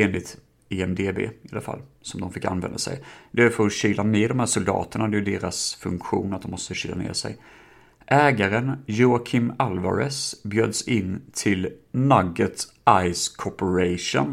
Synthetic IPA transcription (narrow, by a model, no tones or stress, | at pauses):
eːnlɪt̪ | eːɛmd̪eːbḛːɪalafa̰lːsɔmd̪ɔmfɪkːa̰nvɛ̰nd̪asɛ̰jd̪ɛæfəɾɔɕiːlaneːd̪ɔmhæːʂʊld̪ɑ̰ːt̪ənɳahad̪ɛjɵd̪eːɾasfɵŋkɧuːnat̪̚ɔmɔst̪əɕiːla̰nḛːsɛ̰j | ʔɛːɡaɾənjʊakʰɪmalva̰ɾɛsbjøːd̪sɪnt̪ʰɪlnaɡːət̪ | ʔajskʰɔpəɾɛʂʊ̰n